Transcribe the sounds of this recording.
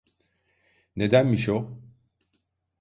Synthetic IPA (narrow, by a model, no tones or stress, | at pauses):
ne̞d̪ænmiʃo